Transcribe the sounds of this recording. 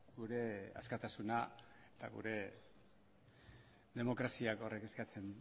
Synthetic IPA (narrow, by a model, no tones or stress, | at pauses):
ɡuɾe̞a̰skat̪asunaet̪a̰ɣṵɾe̞ | ðe̞mo̞kɾasiako̞re̞ke̞skat͡se̞n